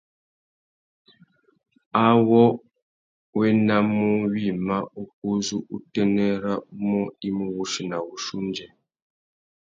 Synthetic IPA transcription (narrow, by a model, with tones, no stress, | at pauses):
a˦wɔ˦ | we˦na˦mu˦wi˦˨ma˦u˦k̚u˦zu˦ʔu˦tɛ˦nɛ˦ɾa˦mɔ˦i˦mu˦wu˦ʃi˨na˨wu˨ʃu˦nd͡ʒɛ˨